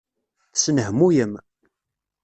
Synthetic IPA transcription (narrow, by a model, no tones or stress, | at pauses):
θsnəɦmujəm